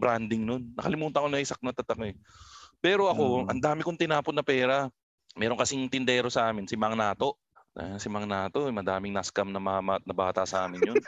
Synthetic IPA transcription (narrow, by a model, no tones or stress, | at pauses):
bɾand̪ɪŋnonːɐkɐlɪmuːt̪ɐkoŋɛsɐk̚not̪ɐt̪ɐkoɛpɛːɾo̞ʔɐko̞ʔɐ̰nd̪aːmɪkoŋt̪ɪnaːpot̪nɐpɛːɾɐ | mɛːɾoŋkɐsɪŋt̪ɪnd̪ɛːɾo̞sɐʔaːmɪnsɪmaŋnaːt̪o̞ʔ | sɪmaŋnaːt̪o̞ɛmɐd̪aːmɪŋnaskɐmnɐmɐamat̪̚nɐbaːt̪ɐsɐʔaːmɪnjon